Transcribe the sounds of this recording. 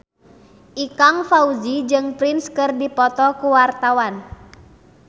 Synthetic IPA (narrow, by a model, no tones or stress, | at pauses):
ʔikaŋfauzid͡ʒɨŋpɾinskɨrdipɔt̪ɔkuwart̪awan